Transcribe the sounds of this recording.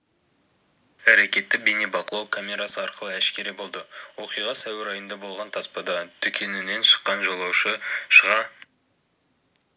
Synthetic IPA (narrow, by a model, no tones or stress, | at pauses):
æɾe̞kʲe̞t̪ːɪk̚bene̞bɑqəlˠɑwkʰamʲe̞ɾasəɑɾqəlˠəæʃkʲe̞ɾibo̞lˠd̪əwo̞qijʁɑsæwɪɾɑjənd̪ɑbo̞lˠʁɑnt̪ʰɑspɑd̪ɑt̪ʰʏkʲʰe̞nɪne̞nʃə̥qːɑnʒolˠɑwʃəʃəʁɑ